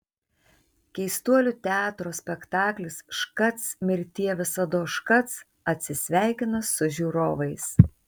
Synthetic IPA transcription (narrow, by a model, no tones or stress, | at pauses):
kʲɛɪst̪uɔlʲut̪ʲæːt̪ɾoːsʲpʲɛkt̪ɑːklʲɪsʃkɐt̪smʲɪɾʲt̪ʲiɛʋʲɪsɐd̪oːʃkɐt̪s | ɐt̪ʲsʲɪsʲʋʲæˑɪkʲɪnɐsʊʒʲuːɾoːʋɐɪs